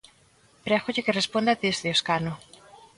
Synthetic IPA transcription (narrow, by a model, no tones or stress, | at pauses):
pɾaxoʎekerespond̪at̪isðeoskano